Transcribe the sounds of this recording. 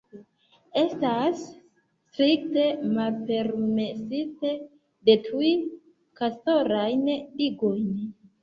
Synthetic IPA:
e̞stasː | tɾik̚te̞malpe̞ɾme̞site | de̞tʰuj | kasto̞ɾajnliɡo̞jn

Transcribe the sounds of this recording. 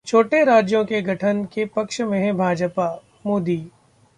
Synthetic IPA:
t͡ʃʰoːʈeɾaːd͡ʒjõkeɡʱɐʈʰənkepɐkʃmẽɦɛ̃bʱaːd͡ʒpa | moːd̪iː

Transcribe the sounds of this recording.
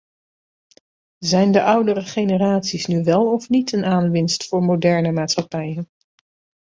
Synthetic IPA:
zɛjndəʔʌwdərəχejnəraːtsisnyʋɛlˠɔfnitənaːnʋɪnstfʊːɹmodɛɹnəmaːtsχɑpɛjən

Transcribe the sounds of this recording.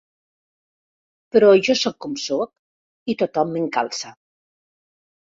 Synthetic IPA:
pəɾɔʒɔsɔkːomsok̚ | it̪ot̪ɔmːeŋka̰lˠsa

